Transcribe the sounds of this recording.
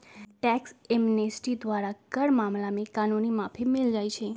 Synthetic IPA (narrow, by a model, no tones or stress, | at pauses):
ʈɛksemnesʈid̪ʋaɾakəɽmamlamekanunimapʰimɪld͡ʒajt͡ʃʰe